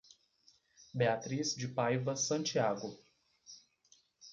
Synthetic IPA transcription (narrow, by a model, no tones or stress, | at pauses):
beat̪ɾizd͡ʒɪpajvɐsɐ̃t͡ʃiaɡʊ